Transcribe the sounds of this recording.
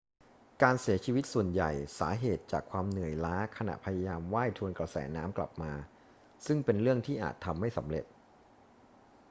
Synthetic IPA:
kaː˧nsi˩˦ɐt͡ɕʰiː˧wi˦˥t̪̚su˨˩ənja̰˨˩jsa̰ː˩˦ɦeː˨˩t̪̚t͡ɕaː˨˩kʰwaː˧mnɯ˨˩əjlaː˦˥kʰa˧na̰˨˩ʔpʰa˧ja˧jaː˧mwaː˥˩jt̪ʰu˧ənkɾa˧sɛ̰ː˩˦naː˦˥mkla̰˨˩p̚maː˧ | sɯ˥˩ŋpe˧nɾɯ˥˩əŋt̪ʰiː˥˩ʔa̰ː˨˩t̪ʰːa˧mːa˥˩jsa˩˦mɾḛ˨˩t̪̚

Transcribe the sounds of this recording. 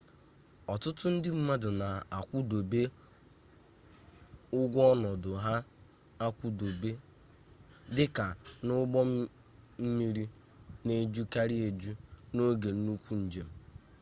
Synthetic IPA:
ɔ˨tʊ˦tʊ˦n̩˦dɪ˦m̩˦ma˦dʊ˨na˨a˨kʷʊ˦do˨be˦ | ʊ˦ɡʷɔ˦nɔ˨dʊ˨ɦa˦ | a˦kʷʊ˦do˨be˦ | dɪ˦ka˨nʊ˦ɡ͡bɔ˦ | m̩˦mi˦ɾi˦ | ne˦d͡ʒu˦ka˦ɾɪ˦e˨d͡ʒu˦no˦ɡe˨n̩˦nu˦kʷu˦n̩˨d͡ʒe˨m̩˦

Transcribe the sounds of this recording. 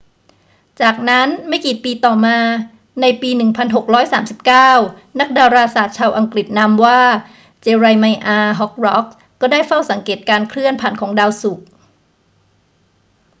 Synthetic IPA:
t͡ɕaː˨˩k̚na˦˥nma˥˩jkiː˨˩piː˧t̪ɔː˨˩maː˧ | na˧jpiː˧nɯ˨˩ŋpʰa˧nɦo˨˩k̚ɾɔː˦˥jsaː˩˦msi˨˩p̚kaː˥˩w | na˦˥k̚daː˧wɾaː˧saː˨˩t̪̚t͡ɕʰaː˧wʔa˧ŋkɾi˨˩t̪̚na˧mwaː˥˩ | t͡ɕeː˧ɾa˧jma˧jʔaː˧ɦɔ˦˥k̚ɾɔ˦˥k̚ːɔː˥˩daː˥˩jfa˥˩wsa˩˦ŋkeː˨˩t̪̚kaː˧nkʰɾɯ˥˩ənpʰaː˨˩nkʰɔː˩˦ŋdaː˧wsu˨˩k̚

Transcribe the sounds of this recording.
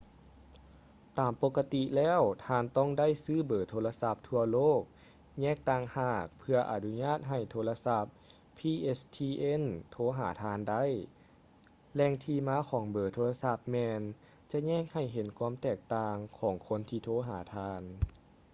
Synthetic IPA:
t̪aː˨˩mpo˧˥kːa˧t̪i˧lɛː˥˩˨wt̪ʰaː˧nt̪ɔ˥˩ŋda˥˩˨jsɯː˧˥˩bɤː˨˩t̪ʰoː˧la˧sa˧˦p̚t̪ʰu˧ɐloː˥˩k̚ | ɲɛː˥˩k̚t̪aː˧˩ŋhaː˧˩k̚pʰɯ˧ɐʔa˨˧nu˧ɲaː˥˩t̪̚ɦa˧˨˩jt̪ʰoː˧la˧sa˧˥p̚ | pʰːiː˧ʔe˧˥st̪ʰiː˧ʔe˧˥˨nt̪ʰoː˧˥ɦa̰ː˩˦t̪ʰaː˧˥nda˥˨j | lɛː˧˩ŋt̪ʰiː˧maː˧˥kʰɔː˩˦ŋbɤː˨˩t̪ʰoː˧la˧sa˧˥p̚mɛː˧n | t͡ɕa˧ɲɛː˥˩k̚ha˧˨˩jɦe˨˦nkʰwuː˧˥mt̪ɛː˨˩k̚t̪aː˧ŋkʰɔː˨˩˦ŋkʰo˧˥˨nt̪ʰiː˧t̪ʰoː˧˥ɦa̰ː˩˦t̪ʰaː˧n

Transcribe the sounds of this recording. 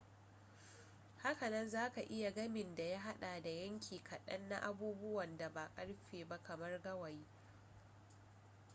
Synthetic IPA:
ha˦kɐ˨nɐ˦nzaː˦ka˨ʔɪ˦ja˨ɡɐ˦mɪ˨nda˨ja˦ɦa˦ɗaː˨da˨jɐ˦ŋkʲʰiː˨kʰɐ˨ɗɐ˦nːa̰˦ʔa˦buː˦bʊ˦wɐ˨nda˨ba˨kʼɐ˦ɽɸeː˨ba˦kɐ˨mɐ˦rɡɐ˦wɐ˨ji˦

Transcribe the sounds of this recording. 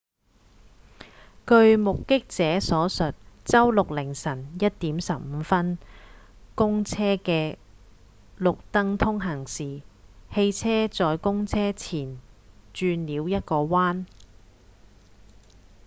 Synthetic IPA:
kɵ˧ɥmʊ˨kːɪ˥k̚t͡sɛː˨˥sɔː˨˥sɵ˨t̚t͡sɐ˥wlʊ˨k̚lɪ˨˩ŋsɐ˨˩njɐ˥t̚t̪iː˨˥msɐ˨p̚m̩ː˨˧˦fɐ˥n | kʊ˥ŋt͡sʰɛː˥kɛː˧ | lʊ˨k̚t̪ɐ˥ŋt̪ʰʊ˥ŋɦɐ˨˩ŋsiː˨he˧jt͡sʰɛː˥t͡sɔː˨jkʊ˥ŋt͡sʰɛː˥t͡sʰiː˨˩nt͡ʃyː˧nliː˨˥wjɐ˥t̚kɔː˧waː˥n

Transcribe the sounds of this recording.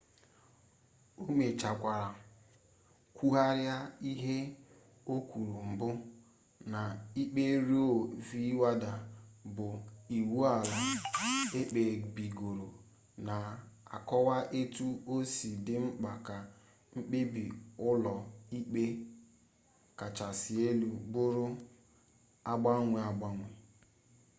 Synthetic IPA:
o˦me˨t͡ʃa˨kʷa˨ɾa˨ | kʷu˦ɦa˦ɾja˦i˦ɦe˦ | o˦kʷu˨ɾu˨m̩˨bʊ˦ | na˨i˦k͡pe˦ɾi˦o˦˨vi˦wa˦da˨bʊ˨i˨wu˦a˨la˨e˦k͡pe˨ɡ͡bi˨ɡo˨ɾo˨ | na˨a̰˨kɔ˦wa˦ʔe˦tu˦o˦si˨dɪ˦ŋ͡m̩˦k͡pa˨ka˨ | ŋ͡m̩˦k͡pe˦bi˨ʊ˦lɔ˨i˦k͡pe˦ | ka˨t͡ʃa˨sɪ˨e˦lu˨bʊ˦ɾʊ˦ | a˦ɡ͡ba˦ŋʷe˨a˨ɡ͡ba˦ŋʷe˨

